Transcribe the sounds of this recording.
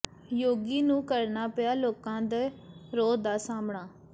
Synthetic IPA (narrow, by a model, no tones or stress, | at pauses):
joːɡiːnũːkəɾnaːpɪjaːloːkãːd̪eɾoːd̪aːsaːmɳaː